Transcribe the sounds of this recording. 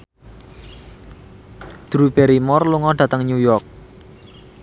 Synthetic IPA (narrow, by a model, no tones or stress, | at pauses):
d̪̥ɾubɛɾimɔrluŋɔɖ̥ä̤t̪əŋɲujɔrk̚